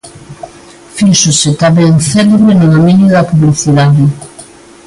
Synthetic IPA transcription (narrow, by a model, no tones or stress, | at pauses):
fisʊsɪt̪aβɛŋθɛleβɾenʊðomĩnjʊðɐpuβliθiðaðɪ